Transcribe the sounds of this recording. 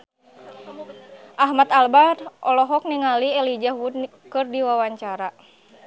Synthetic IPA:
ʔaɦmat̪albarʔɔlɔɦɔk̚niŋaliɛlid͡ʒahwud | kɨrdiwawaɲt͡ʃaɾa

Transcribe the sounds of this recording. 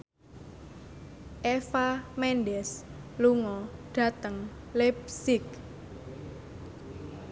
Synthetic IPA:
ʔefamɛnɖɛsluŋɔɖ̥ä̤t̪əŋ | lɛpsɪk̚

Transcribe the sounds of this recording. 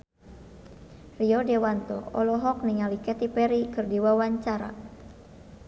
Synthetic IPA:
riɔdɛwant̪ɔɔlɔɦɔk̚niŋalikɛt̪ipɛɾikɨrdiwawaɲt͡ʃaɾa̰

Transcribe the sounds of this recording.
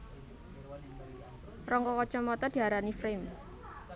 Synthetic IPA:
rɔŋkɔkɔt͡ʃɔmɔt̪ɔd̥i̤aɾanifɾɪm

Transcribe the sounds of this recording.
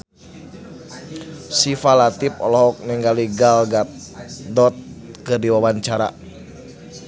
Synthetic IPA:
sifalat̪ip̚ɔ̰lɔɔk̚niŋɡaliɡalɡat̪̚ | dɔt̪̚kɨrdiwawaɲt͡ʃaɾa̰

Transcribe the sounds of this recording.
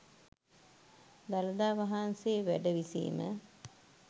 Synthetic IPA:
d̪aləd̪aːʋaɦanseːʋæɖəʋisḭːmə̰

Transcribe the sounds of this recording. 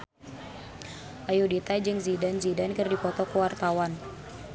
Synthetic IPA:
ʔajudit̪ad͡ʒɨŋzidanzidankɨrdipɔt̪ɔkəwart̪awan

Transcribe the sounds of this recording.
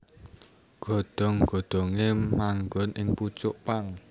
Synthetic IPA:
ɡ̥o̤ɖ̪̥ɔ̤ŋɡ̥ɔ̤ɖ̪̥ɔ̤ŋemaŋɡɔnʔɪŋput͡ʃʊʔpaŋ

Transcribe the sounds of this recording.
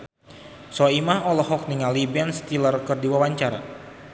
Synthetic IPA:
sɔimaɦɔlɔhɔk̚niŋalibianst̪ilərkɨrdiwawaɲt͡ʃaɾa̰

